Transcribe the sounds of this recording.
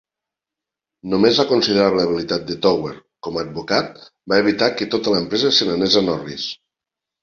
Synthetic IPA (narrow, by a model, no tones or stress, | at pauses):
nomezβakonsiðeɾaβleəβilit̪at̪̚d̪ət̪ɔweɾkɔməːd̪̚bukat̪̚ | baeβit̪akət̪ot̪ələempɾɛzəsenənɛzənɔris